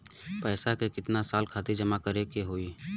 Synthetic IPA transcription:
pɛːsakekɪt̪nasaːlkʰaːt̪id͡ʒəmakəɾekeɦoːiː

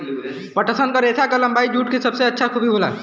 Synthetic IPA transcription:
pəʈəsənkəɾesakələmbaid͡ʒuːʈ̚kesəbseətːʃʰakʰubʱibʱola̰

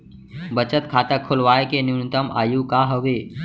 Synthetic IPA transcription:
bət͡ʃət̪kʰaːt̪əkʰʊlʋaːjekenɪnɪt̪əma̰ːjũkaːɦəʋeː

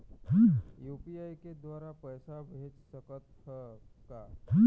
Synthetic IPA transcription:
juːpiaːiked̪waːɾapəjsabʱeːt͡ʃsəkət̪ | əka

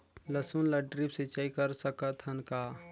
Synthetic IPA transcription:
ləsunlɐɖɾipsit͡ʃaːikəɾsəkət̪ɦənkaː

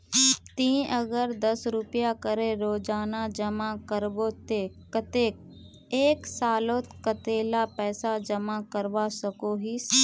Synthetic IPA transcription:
t̪ĩːʔəɡəɾd̪əsɾʊpjakəɾeɾoːd͡ʒaːnad͡ʒəmakəɾbot̪e | kət̪eːk | eːksaːloːt̪kət̪eːlapɛːsad͡ʒəmakəɾʋasəkoɦis

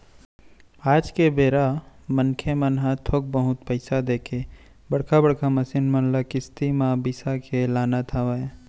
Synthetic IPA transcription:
aːd͡ʒkebeːɾamənkʰemənɦat̪ʰok̚bəɦʊt̪pəɪsad̪eːkʰe | bəɽkʰabəɽkʰamɐsɪnmənlakɪst̪imãbɪsakʰelaːnat̪ʰaʋae

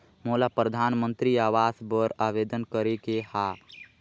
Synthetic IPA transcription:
molapɾəd̪ʱanmənt̪ɾiaʋasbəɾaʋed̪ənkəɾekeha

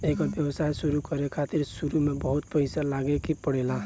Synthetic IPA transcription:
ekʌbjʌbsajsuɾukʌɾekʰat̪iɾsuɾumebʌɦut̪̚pʌɪsalaɡekipʌɽela

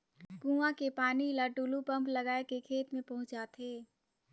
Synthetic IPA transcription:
kũːãkepaːnilaʈuːlupɐ̃mplɐɡaːekekʰeːt̪mẽpɐɦʊ̃t͡ʃd͡ʒaːt̪eː

